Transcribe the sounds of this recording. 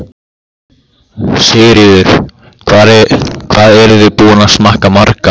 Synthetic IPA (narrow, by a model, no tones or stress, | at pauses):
sɪːɾɪðʏɾ̥ | kʰvaːɾkʰvaːðɛɾʏðɪpuːanasmahkamaɾka